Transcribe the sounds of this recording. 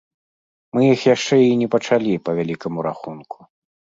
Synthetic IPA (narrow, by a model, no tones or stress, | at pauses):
mɨjixjaʂt͡ʂɛinʲɛpɐt͡ʂalʲipɐvʲalʲikɐmuɾa̰xunkʰu̥